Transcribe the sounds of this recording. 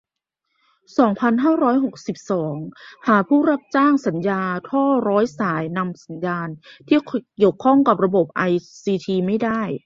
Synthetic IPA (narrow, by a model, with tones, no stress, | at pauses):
sɔː˩˦ŋpʰa˧nɦaː˥˩ɾɔː˦˥jɦo˨˩k̚si˨˩p̚sɔː˩˦ŋhaː˩˦pʰuː˥˩ɾa˦˥p̚t͡ɕaː˥˩ŋsa˩˦njaː˧t̪ʰɔː˥˩ɾɔː˦˥jsaː˩˦jna˧msa˩˦njaː˧nt̪ʰiː˥˩ki˨˩əwkʰɔ˥˩ŋka˨˩p̚ɾa˧bo˨˩p̚ʔa˧jsiː˧t̪ʰiː˧ma˥˩jda˥˩j